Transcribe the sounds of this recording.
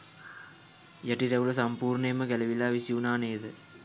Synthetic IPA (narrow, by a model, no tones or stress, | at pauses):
jaʈiɾeʋulɐs̬ɐmpuːɾneməɡælɐʋilaːʋisiunaːneːd̪ə